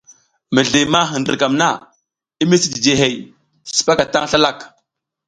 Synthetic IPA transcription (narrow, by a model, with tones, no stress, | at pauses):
mə˨ɮi˨ma˦ɦə˨ndə̰˨ka˨mna˦˨ | i˦mi˦si˦di˨d͡ʒe˨ɦe˨j | si̥˨pa˦ka˨ta˦ŋɬa˦la˦˨k